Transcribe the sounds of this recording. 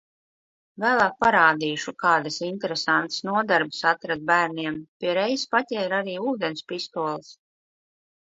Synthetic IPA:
væːlˠaːk̚paɾaːd̪iːʃukaːd̪asint̪ɛɾesant̪snuɔd̪aɾbɨ̥sat̪ɾad̪̚bæːɾniɛmpʲiɛɾɛjspatʲɛːiɾaɾiːuːd̪enspist̪uɔlˠs

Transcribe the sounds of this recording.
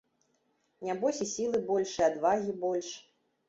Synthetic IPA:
nʲabɔsʲisʲilˠɨbɔlʲʂɨad̪vaɣʲibɔlʲʂ

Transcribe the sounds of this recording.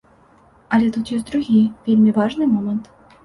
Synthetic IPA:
ɑlʲet̪ut̪jezʲd̪ɾuɣʲijvʲelʲmʲivɑʐnɨmomə̆nt̪

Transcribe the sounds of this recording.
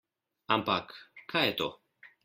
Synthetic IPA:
ampakːajɛt̪o̰

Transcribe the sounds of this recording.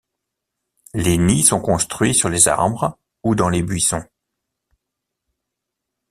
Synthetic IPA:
lenisɔ̃kɔ̃st̪χɥisyʁleza̰ʁbʁ | ud̪ɑ̃lebɥisɔ̃

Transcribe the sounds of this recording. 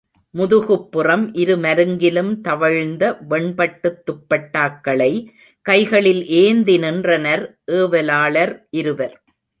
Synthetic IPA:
mʊðɯɣɯpːɯrɐmʔɪɾɯmɐɾɯŋɡɪlɯmt̪ɐʋɐɻnd̪ɐʋɛɳpɐʈːɯt̪ːʊpːɐʈːaːkːɐɭɐɪ | kɐɪɣɐɭɪlʔeːnd̪ɪnɪndrɐnɐɾʔeːʋɐlaːɭɐɾʔɪɾɯʋɐɾ

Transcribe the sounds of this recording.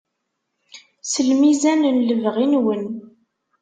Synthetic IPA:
səlmizænənləvʁinwən

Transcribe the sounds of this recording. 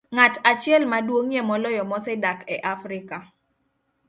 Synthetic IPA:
ŋatat͡ʃɪɛlmadwoŋjɛmɔlɔjɔmɔsɛdakɛʔafɾɪka

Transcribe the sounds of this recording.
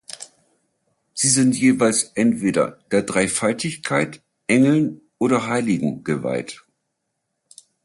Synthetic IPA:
z̥iːzɪntjeːvaɪlsʔɛntv̥eːɾɐ̰d̥eːɐdʁaɪfaltɪçkʰaɪt | ʔɛŋl̩n | ʔoːɾɐɦaɪlɪɡŋ̩ɡ̥əva̰ɪt

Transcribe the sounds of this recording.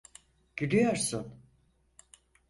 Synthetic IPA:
ɟ̥iɾyjoɾsun

